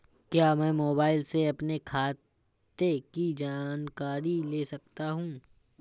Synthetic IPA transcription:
kjaːmɛ̃ːmoːbaːɪlseɐpnekʰaː | t̪ekid͡ʒaːnkaːɾileːsɐk̚t̪aɦũː

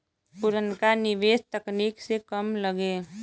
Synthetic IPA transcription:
pʊɾənkanɪʋeːst̪əkniːksekəmləɡeː

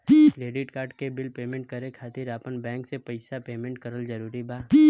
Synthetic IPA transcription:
kɾeːɖɪʈkaːɾɖkebɪlpeːmẽɳʈ̚kəɾẽkʰaːt̪ɪɾaːpənbɛ̃ːŋksepɐɪsapeːmẽɳʈ̚kəɾəld͡ʒəɾuːɾibʱaː

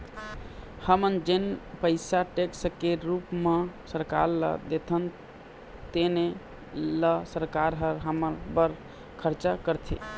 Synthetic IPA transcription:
həmənd͡ʒenpəɪsaʈekskeɾupmesəɾka̰ɾlə̰d̪et̪ʰən | t̪ene | ləsəɾkaɾɦəɾɦəməɾbəɾ | kʰəɾt͡ʃakəɾt̪ʰḭ

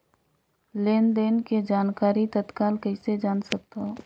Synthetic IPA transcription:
leːnd̪eːnked͡ʒaːnkaːɾit̪ət̪kaːlkəised͡ʒaːnsɐk̚t̪aɦ

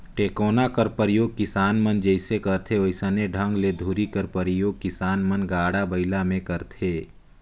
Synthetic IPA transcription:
ʈeːkoːnakəɾpəɾɪjoːɡ̚kɪsaːnmənd͡ʒəɪsekəɾt̪ʰeoɪsəneɖʱə̃ŋɡled̪ʱuɾikəɾpəɾɪjoːɡ̚kɪsaːnmənɡaːɽabəɪlamẽkəɾt̪ʰeː

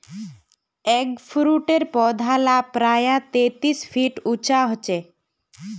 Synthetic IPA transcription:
ekpʰɾuʈeɾpɔd̪ʱalapɾajat̪et̪ispʰiʈut͡ʃaɦɔt͡ɕe

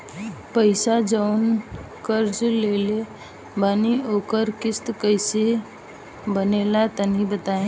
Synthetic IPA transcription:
pəɪsad͡ʒəʊn | kəɾd͡ʒleːle | baːnioːkəɾkɪst̪kəɪse | bənelat̪ənĩbət̪aːẽː

